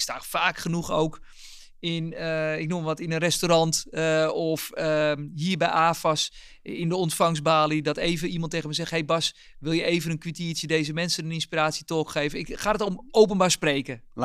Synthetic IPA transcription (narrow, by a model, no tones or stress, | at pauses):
ɪkstaːfaːkχənuxowk | ɪnɪk̚numəʋɔtɪnənrɛstoɾɑntɔfəɦiːɹbɛjʔaːfɑs | ɪndəɔntfɑŋzbaːlidɔteːvəimɑntːeːɣəməsɛxɦejbɑs | ʋɪlˠjəeːvənənkʋitiːsjədeːzəmɛnsənənɪnspiraːtsjətoːkχeːvənɪkχaːdətomowp̬ənbaːɹspreːkə